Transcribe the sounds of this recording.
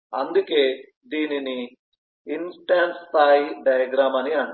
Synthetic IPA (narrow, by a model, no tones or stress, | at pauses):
ɐnd̪ukeː | d̪iːnini | insʈaːnst̪aːjiɖɐjɐɡɾaːmɐniaːɳ